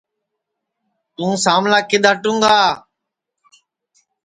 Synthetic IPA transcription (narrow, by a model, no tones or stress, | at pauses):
t̪ũːsaːmlaːkɪɗ̪aːʈũːŋɡaː